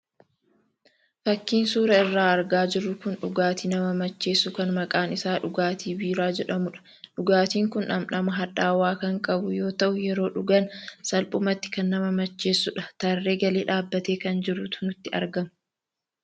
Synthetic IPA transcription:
fɐkːiːnsuːɾɐɪrːaːɐɾɡaːd͡ʒɪrːʊkʊnᶑʊɡaːt̪iːnɐmɐmɐt͡ʃːe̞ːsːʊkɐnmɐkʼaːnɪsaːᶑʊɡaːt̪iːbiːɾaːd͡ʒɛᶑɐmʊᶑɐ̥ | ᶑʊɡaːt̪iːŋkʊnʔɐ̰mnɐmɐɦɐᶑaːwaːkɐŋkʼɐbʊjo̞ːt̪ɐʔʊjɛɾo̞ːᶑʊɡɐnsɐlpʼʊmɐt̪ːɪ̥kɐnːɐmɐmɐt͡ʃːe̞ːsːʊᶑɐ̥t̪ɐrːe̞ːɡɐleːᶑaːbːɐt̪e̞ːkɐnd͡ʒɪɾʊt̪ʰʊnʊt̪ːɪʔɐ̰ɾɡɐmɐ

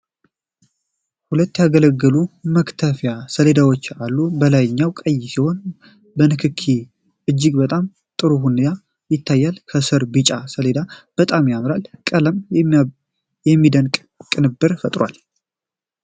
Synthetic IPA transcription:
hulət̪ːjaɡələɡːəluməkt̪ʰəfjasəle̞d̪awo̞t͡ʃːalːubəlajɪɲːawkʼəjːsiho̞n | bənɨkʰɨkʰːi | ɨd͡ʒːɪɡbət̪ʼam | t̪ʼɨɾuhunja | jɪt̪ʰːajːalkʰəsɨɾbɨt͡ʃʼasəle̞d̪ab̥ət̪ʼamjamɾalkʼələm | jɛmːid̪əŋkʼ | kʼɨnɨbːɨɾfət̪ʼɾwa̰l

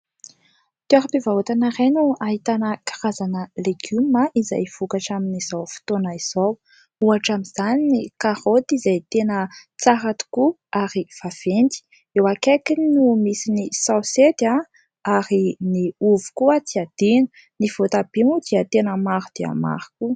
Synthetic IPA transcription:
t̪uaɾipevaɦut̪anaɾenuaɦit̪anəkḁɾazanəleɡ̥ymaiza̰jv̥ukaʈ͡ʂaminiz̥awfi̥t̪onaiz̥ow | uaʈ͡ʂamiz̥aninikaɾot̪izajt̪enət͡saɦat̪u̥ku | aɾiv̥av̥end̪i̥ | ewakakinumisinisawset̪a | aɾiniuvu̥kuət͡s̪iad̪̥inə | niv̥ot̪ab̥imud̪iat̪enəmaɾud̪̥ea̰ma̰ɾu̥ku

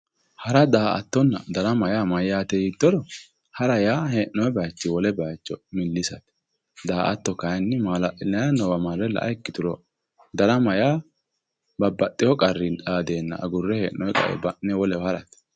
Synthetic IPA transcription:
hɐɾɐd̪aːʔɐ̰t̪ːɔnːɐ̰d̪ɐɾɐmɐjaːmɐjːaːt̪ɛjɪt̪ːɔɾɔ | hɐɾɐjaːheːʔnːɔjɛbɐjt͡ʃːɪwɔlɛbɐjt͡ʃːɔmɪlːɪsɐt̪ɛ̥ | d̪aːʔɐt̪ːɔkɐjnːɪmalɐnɛjɐnɔwɐmaɾːɛlːɐ̰ʔɐɪkːɪt̪ʊɾɔ | d̪ɐɾɐmɐjaː | bɐbːɐt̪ʼːɪjɔkʼɐrːɪnᶑaːd̪e̞ːnːɐ̰ʔɐ̰ɡʊrːɛheːʔnɔjkʼɐ̰ɛ̰bɐnɛwɔlɛhɐɾɐt̪ɛ̥

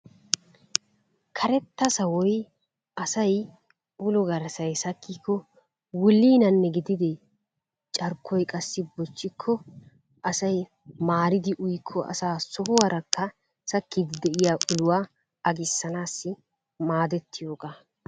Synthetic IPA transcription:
kʰɐɾɛt̪ːɐsɐwɔj | ʔɐsɐj | ʊlɔɡɐɾsɐjsɐkʰːiːkʰːɔ | wʊlːiːnɐnːɛɡɪd̪ɪd̪ɪ | t͡ʃʼɐɾkʰːɔjkʼɐsːɪbɔt͡ʃːɪkʰːɔ | ʔɐsɐj | maːɾɪd̪ɪʔʊjkʰːɔʔɐ̰saːsɔhʊwɐɾɐkːɐ | sɐkːɪd̪ɪd̪ɛʔɪjaːʔʊlʊwaː | ɐɡɪsːɐnaːsːɪ | maːd̪ɛt̪ːɪjoːɡaː

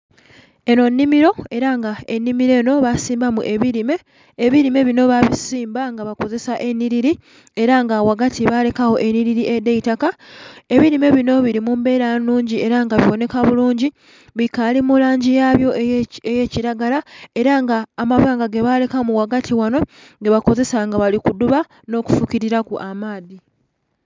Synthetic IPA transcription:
e̞no̞nːimiɾo̞e̞ɾaŋɡae̞nːimiɾe̞ːno̞βasiːmbamuʔe̞βiɾime̞ː | βiɾime̞βino̞βaβisiːmbaŋɡaβako̞ze̞saʔe̞niɾiɾi | e̞ɾaŋɡawaɡatʰiβale̞kawo̞ʔe̞niɾiɾiʔedeitakae̞βiɾime̞βino̞βiɾimumbe̞ːɾanuːɲɟie̞ɾaŋɡaβiβo̞ne̞kaβuluːɲɟi | βikalimulaːɲɟijaβjo̞eje̞ciɾaɡalae̞ɾaŋɡaːmaβaːŋɡaɡeβale̞kamuwaɡatʰiwano̞ | ŋɡe̞βako̞ze̞saŋɡaβalikuduβa | no̞ːku̥fukiɾiɾakuʔamaːði

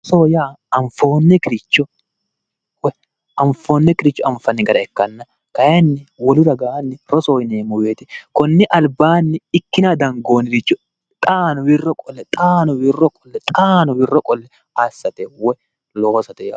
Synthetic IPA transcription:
soːjaːɐɱfo̞ːnːɛkɪɾɪt͡ʃːɔ | wɛ | ʔɐɱfoːnːɛkɪɾɪt͡ʃːɔʔɐɱfɐnːɪɡɐɾɐɛkːɐnːɐ | kɐjɐnːɪwɔlʊd̪ɐɡaːnːɪɾɔsoːjneːmʊweːt̪ɛkɔnːɪʔɐlbaːnːɪɪkːɪnad̪ɐŋɡoːnɪɾɪt͡ʃːʊ | t̪ʼaːnɔwɪrːɔkʼɔlːɛt̪ʼaːnɔwɪrːɔkʼɔ̥lːɛt̪ʼaːnɔwɪrːɔkʼɔlːɛ | asːɐt̪ɛwɛ | loːsɐt̪ɛja̰

